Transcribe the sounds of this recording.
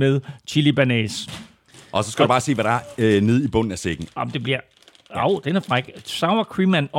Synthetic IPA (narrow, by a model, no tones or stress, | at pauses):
meðˠt͡ɕʰilib̥ænes | ʔɒ̽sɒ̽sɡ̥ædubɑ̈ːse̝ːʋæɾ̥ɑæɐne̝ð̞ˠib̥ɔ̽n̰n̩æseɡ̥n̩ɒmd̥e̝b̥liɐ̰ | ɑʊ̰d̥enæɐfʁaɡ̥sɑ̈ʊɐkʰʁimænɒ